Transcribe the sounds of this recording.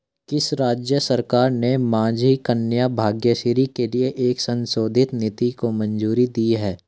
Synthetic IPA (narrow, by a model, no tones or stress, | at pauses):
kɪsɾaːd͡ʒjəsəɾkaːɾnemãːd͡ʒikənjabʱaːɡjəʃiɾikelieʔeːksɐ̃nsoːd̪ʱɪt̪nɪt̪ikomɐ̃nd͡ʒuːɾid̪iːɦɛː